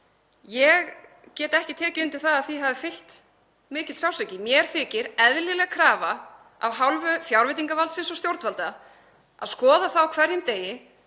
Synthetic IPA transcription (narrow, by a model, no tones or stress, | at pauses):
jɛɣ | cɛːt̪aɛhcɪt̪ʰɛːcʏɪnt̪ɪɾ̥θaðaðθiɦavɪfɪl̥t̪ | mɪːcɪt̪sawsɛcɪmjɛɾ̥θɪːcɪɾɛðlɪlɛɣakʰɾaːva | a̰vɦawlvʏfjawɾvɪt̪̬iŋkavalt̪sɪnsɔst̪jowɾt̪valt̪a | a̰ðskɔːðaθawkʰv̥ɛɾjɪmt̪eːjɪ